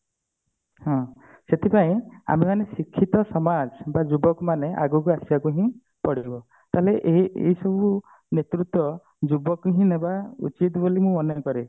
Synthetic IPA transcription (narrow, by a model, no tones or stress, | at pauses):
hɔ̃ | set̪ʰipaĩa̰memanesikʰːit̪ɔsɔmad͡ʒbad͡ʒubɔkmaneʔa̰ɡukuasjakuɦĩ | pɔɽibɔ | t̪aɦeleʔeḛisɔbu | net̪ɾut̪wɔ | d͡ʒubɔkuɦĩnebaṵt͡ʃit̪bolimũɔnɔkɔɾe